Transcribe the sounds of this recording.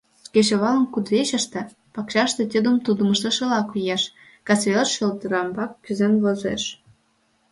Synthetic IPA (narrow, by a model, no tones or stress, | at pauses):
ket͡ɕoβɑlə̆nkud̪βeɕə̆ʃt̪ĕ | pɑkɕɑʃt̪ĕt̪ʲid̪ə̆mt̪ud̪əmə̆ʃt̪ə̆ʃɤ̆lɑkujeʃ | kɑt͡sβʲeləʃːølt̪əɾɑmbɑkːyzenβozḛʃ